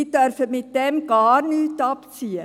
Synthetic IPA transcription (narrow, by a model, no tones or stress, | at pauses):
id̥œrfəmɪt̚d̥ɛmɡɑːrnyːtɑpt͡siə